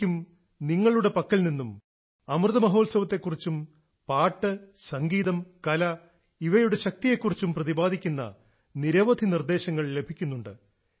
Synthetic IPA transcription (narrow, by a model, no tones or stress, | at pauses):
um | niŋːɐɭuɽe̞pɐkːɐɭlninːum | ɐmrɨðɐmɐɦo̞ːlsɐʋɐt̪ːe̞kːurit͡ɕːum | paːʈːɨsɐŋɡiːðɐmkɐlɐ | iʋɐjuɽe̞ɕɐk̚t̪ije̞kːurit͡ɕːumprɐðibaːd̪ʱikʲːunːɐ̰ | niɾɐʋɐd̪ʱinird̪e̞ːɕɐŋːɐɭle̞bʱikʲːunːuɳɖɨ